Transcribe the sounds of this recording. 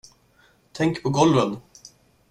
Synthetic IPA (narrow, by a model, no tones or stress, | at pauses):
t̪ʰɛŋkpʰɔɡɔlvən